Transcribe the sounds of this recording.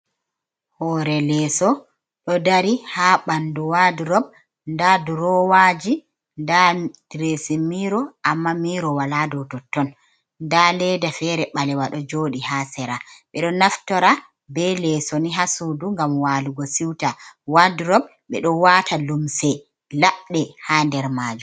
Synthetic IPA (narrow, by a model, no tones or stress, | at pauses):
hɔɾɛlɛːsɔ | ɗɔdaɾihaːɓanduwaduɾɔb̚ | ndaduɾɔwaːd͡ʒi | ndad̥ɾesimiɾɔʔamːamiːɾɔwaladɔtɔtːɔn | ndalɛdafɛɾɛɓalɛwaɗɔd͡ʒoɗihasɛɾaɓɛɗɔnaftɔɾa | bɛlɛsɔniɦasuduŋɡamwaluɡɔsiwtawaduɾɔb | ɓɛɗɔwaːtʰalumsɛ | laɓɗɛhandɛɾmaːd͡ʒu